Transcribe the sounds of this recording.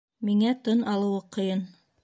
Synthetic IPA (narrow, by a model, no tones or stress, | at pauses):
miŋæt̪ɤnɑlˠɤ̆wɤqŏjɤn